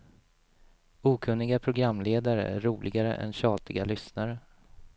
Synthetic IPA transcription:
uːkʰɵnːɪɡapʰɾʊɡɾamːleːd̪aɾə̰æ̰ɾːuːlʔɪɡaɾə̰ʔɛ̰nɕɑːt̪ɪɡalʏsnaɾə

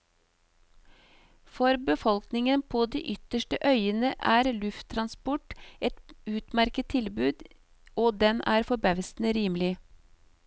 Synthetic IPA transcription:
fɔɾbəfɔlknɪŋənpʰoːd̪ḭːʔʏt̪əʃʈəʔœʏənəʔæːɾlʉft̪ʰːɾɑnspɔʈɛt̪ʉːt̪mæɾkət̪ʰːɪlbʉːd̪ | oːd̪ɛnʔæːɾfɔbæʋsn̩əɾiːmlɪ

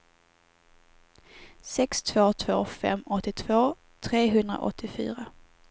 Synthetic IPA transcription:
sɛkst̪ʰv̥oːt̪ʰv̥o̰ːfɛ̰mɔt̪ːɪt̪ʰv̥oː | t̪ʰɾeːɦɵnd̪ɾa̰ʔɔ̰t̪ʰːɪfy̰ːɾa

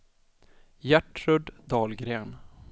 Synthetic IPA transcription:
jæʈɾɵɖd̪ɑːlɡɾeːn

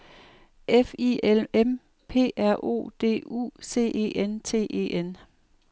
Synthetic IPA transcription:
ʔefielem | pʰe̝̰ːæɐ̰ʔo̝̰ːd̥e̝̰ːṵːse̝̰ːʔe̝̰ːʔent͡sʰe̝̰ːʔe̝̰ːʔen

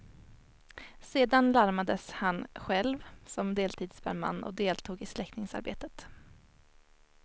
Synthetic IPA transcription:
seːd̪anlaɾmad̪əshanɧɛlvsɔmd̪eːlt̪ʰiːd̪sbæɾma̰nːɔ̰d̪eːlt̪ʰuːɡɪslɛkt̪nɪŋsa̰ɾbḛːt̪ət̪

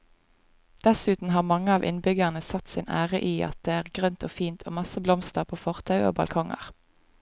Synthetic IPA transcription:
d̪̥ɛsʉːt̪n̩ɦɑːʁmɑŋəɑːʋʔɪ̰nbʏɡəʁnəsɑt̪sɪnæːʁəʔiːʔɑ̰t̪̚d̪̥eːæːʁɡʁœnt̪ʰoːfiːnt̪ʰo̰ːmɑsəblɔmst̪əʁpʰoːfɔʁt̪ʰɑʉo̰ːbɑ̰lkʰɔŋə̰ʁ

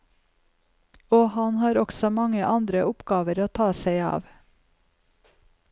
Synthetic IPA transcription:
oːhɑnhɑːɾɔɡsɔmɑŋəʔɑnd̪ɾəʔʊpɡɑːʋəɾoːt̪ʰɑːseɪɑ̰ːʋ

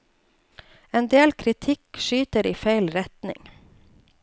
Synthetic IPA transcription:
eːnd̪eːlkʰɾɪt̪ʰɪkʃyːt̪əɾiːfæɪlɾɛt̪nɪ̰ŋ

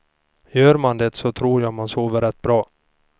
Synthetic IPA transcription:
jøːɾmand̪ɛt̪sɔt̪ʰɾuːɾjamansoːvəɾɛt̪ːbɾɑː

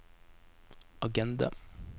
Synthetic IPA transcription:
ɑɡɛnd̪ɑ̰

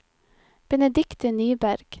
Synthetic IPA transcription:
b̥ɛnɛd̪ɪkt̪ənyːbæɾɡ̥

